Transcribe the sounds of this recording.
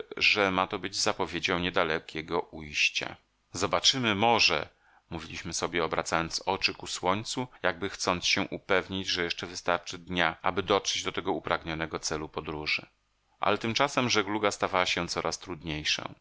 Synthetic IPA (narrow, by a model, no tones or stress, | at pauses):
ʐɛmat̪ɔbɘd͡ʑzapɔvʲjed͡ʑɔ̃w̃ɲɛd̪alɛkʲʰɛɡɔʔujɕt͡ɕa̰ | zɔbat͡ʂɘmɘmɔʐɛ̰ | muvʲilʲiɕmɘsɔbʲjɛɔbɾa̰t̪sajɔnt̪sɔt͡ʂɘkuswɔɲt̪sujaɡ̚bɘxt̪sɔnt̪sɕɛ̃ʔupɛvɲid͡ʑʐɛjɛʂt͡ʂɛvɘst̪aɾt͡ʂɘd̪ɲaʔa̰bɘd̪ɔtʂɛd͡ʑd̪ɔt̪ɛɡɔupɾaɡɲɔnɛɡɔt̪sɛlupɔd̪ɾuʐɘ̰ | ʔa̰lɛt̪ɘmt͡ʂasɛmʐɛɡluɡast̪avawaɕɛ̃t̪sɔɾʔast̪ɾud̪ɲejʂɔ̰̃